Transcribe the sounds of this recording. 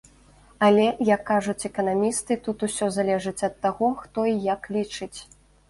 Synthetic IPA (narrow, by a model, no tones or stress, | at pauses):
ɐlʲɛjɐkːaʐut͡sʲɛkɐnamʲist̪ɨt̪ut̪usʲɔzalʲɛʐɨt͡sʲɐt̪ːaɣɔxt̪ɔijɐklʲit͡ʂɨt͡sʲ